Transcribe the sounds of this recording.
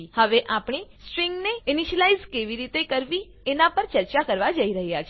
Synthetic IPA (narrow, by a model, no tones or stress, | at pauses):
həʋeʔapɳ̃isʈɾiŋɡneɪniʃəlaizkeʋiɾit̪ekəɾʋi | enapəɾt͡ʃəɾt͡ʃakəɾʋad͡ʒəiɾəɦjat͡ʃʰ